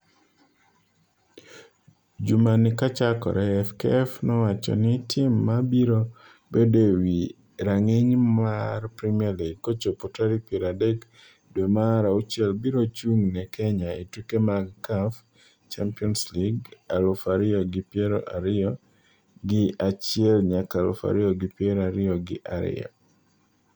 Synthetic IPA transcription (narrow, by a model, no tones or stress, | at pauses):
d͡ʒumanɪkat͡ʃakɔ̰ɾɛɛfkeɛfnɔwat͡ʃɔ̰nɪtʰɪmːabiɾo | bedewi | ɾaŋiɲmarpɾimiaɾliɡkot͡ʃopotaɾipjɛɾadɛk | dwemaɾaut͡ʃɛlbiɾot͡ʃuŋnɛkɛɲaitwikemaɡkaf | t͡ʃampiɔnsliɡalʊfaɾɪɔɡɪpjɛɾo̰ʔaɾɪɔ | ɡɪat͡ʃɪɛlɲakalʊ̰fa̰ɾɪɔɡɪpjɛɾaɾɪɔɡɪ̰ʔaɾɪ̰a̰